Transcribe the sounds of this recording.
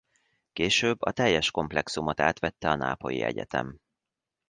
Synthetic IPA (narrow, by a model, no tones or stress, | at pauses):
keːʃøːbːɒt̪ɛjːɛʃko̞mplɛksumot̪aːt̪ʋɛt̪ːɛɒna̰ːpo̞jḭɛ̰ɟɛt̪ɛ̰m